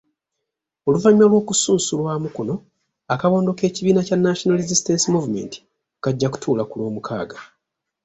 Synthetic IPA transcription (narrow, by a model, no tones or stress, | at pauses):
o̞luvaɲmalwo̞ːkusuːsulwaːmukono̞ | akaβo̞ːndo̞ke̞ːciβiːnacanːaʃonalizistensimuvume̞̰nti̥ | kaɟːaku̥tʰuːlakulo̞ːmukʰa̰ːɡa